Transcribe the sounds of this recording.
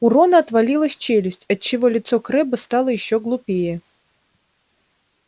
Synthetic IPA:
ʊɾɔnɐɐt̪valʲilˠəsʲt͡ɕelʲʊsʲtʲɐt̪̚t͡ɕːɪvɔlʲɪt̪sɔkɾɛbɨst̪alˠəjɪɕːɔɡlˠʊpʲejɛ

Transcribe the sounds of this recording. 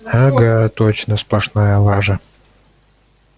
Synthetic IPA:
haɡat̪ot͡ɕnəsplˠɐʂnajəlˠaʐɐ

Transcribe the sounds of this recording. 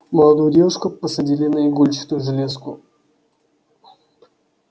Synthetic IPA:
məlˠɐd̪ujʊdʲevʊʂkʊpəsɐdʲilʲɪnəɪɡulʲt͡ɕɪ̥t̪ʊjʐɨlʲeskʊ̰

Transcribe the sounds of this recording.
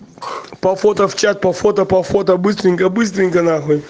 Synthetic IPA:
pɐfot̪ɐft͡ɕat̪̚pɐfot̪ɐpɐfot̪ɐbɨst̪ɾʲɪŋʲkɐbɨst̪ɾʲɪŋʲkɐnaɦɔ

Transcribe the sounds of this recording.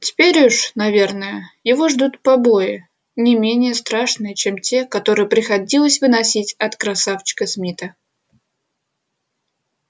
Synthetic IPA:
tʲɪ̥pʲeɾʲuʂnɐvʲe̞rnəjəjɪvo̞ʐd̪ut̪pɐbo̞jɪ | nʲɪmʲenʲɪjəst̪ɾaʂnɨjət͡ɕemtʲe̞kɐt̪o̞ɾɨjəpɾʲɪxɐdʲilˠəsʲvɨnɐsʲitʲɐt̪kɾɐsaft͡ɕɪ̥kəsmʲit̪ə

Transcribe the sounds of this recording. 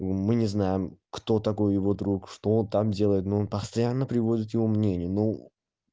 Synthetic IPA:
mɨnʲɪznajɪmkt̪o̞t̪ɐko̞jjɪvo̞d̪ɾukʂt̪o̞ont̪amdʲe̞lˠəjɪt̪noonpəst̪ɐjanːəpɾʲɪvo̞dʲɪt̪jɪvo̞mnʲenʲɪjəno

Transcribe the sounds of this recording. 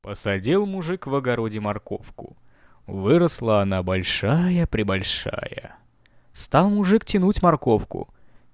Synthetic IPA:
pəsɐdʲilˠmʊʐɨkvɐɡɐɾodʲɪmɐrko̞fkʊ̰ | vɨɾəslˠəɐnabɐlʲʂajəpɾʲɪbɐlʲʂa̰jə̰ | st̪alˠmʊʐɨktʲɪnutʲmɐrko̞fkʊ̰

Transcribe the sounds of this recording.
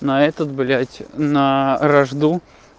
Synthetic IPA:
nɐɛt̪ət̪bɨlʲætʲnəɾɐʐd̪u

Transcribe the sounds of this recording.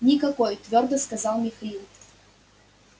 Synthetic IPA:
nʲikɐkɔjt̪vʲɔrd̪əskɐzalˠmʲixɐlʲilˠt̪

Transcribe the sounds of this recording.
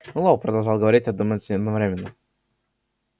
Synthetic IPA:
nulˠovpɾəd̪ɐlˠʐɑlˠɡəvɐɾʲitʲɐd̪uməsʲnʲɪɐd̪nɐvɾʲemʲɪnːə

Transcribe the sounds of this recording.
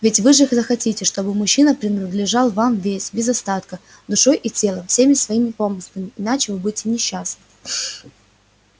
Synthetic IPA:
vʲɪtʲvɨʐɨzəxɐtʲitʲɪʂt̪o̞bɨmʊɕːinəpɾʲɪnəd̪lʲɪʐalˠvamvʲesʲbʲɪzɐst̪at̪kə | d̪ʊʂo̞jʔitʲe̞lˠəfsʲemʲɪsvɐimʲɪpo̞mɨslˠəmʲɪɪnat͡ɕɪvɨbudʲɪtʲɪnʲɪɕːasnɨ

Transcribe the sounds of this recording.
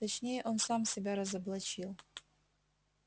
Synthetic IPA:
t̪ɐt͡ʃʰnʲe̞jəʔo̞nsamsʲɪbʲaɾɐzɐblˠɐt͡ʃilˠ

